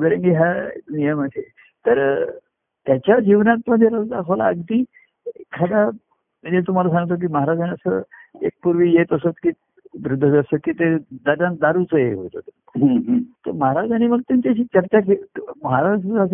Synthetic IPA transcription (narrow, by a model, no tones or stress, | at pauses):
ɡəɾəŋɡiɦa̰nijəməse | t̪əɾ | t̪jat͡ɕjad͡ʑiʋnat̪̚məd̪ʱjeɾəsd̪akʰola̰əɡd̪iː | kʰad̪a | əd͡ʑet̪̬um̤alasãŋɡt̪ok̬iːməɦaɾad͡ʑaniəsəḛk̚puɾʋiːjet̪əsət̪kiː | ʋɾud̪ʱːəd͡zəsəkiːt̪ed̪ad̪ãn̚d̪aɾut͡səjeɦo̰t̪o̰t̪ | ɦt̪əməɦaɾad͡zañiməɡ̚t̪jaɲt͡ɕjaɕiːt͡ɕəɾt͡ɕakeməɦaɾad͡zas̬